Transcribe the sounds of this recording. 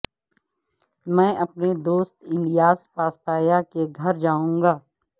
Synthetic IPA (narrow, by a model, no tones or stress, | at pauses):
mɛ̃ːʔɐpned̪oːst̪ɪ̃nɖijaːspaːst̪aːjakeɡʱɐɾd͡ʒaːũːŋɡaː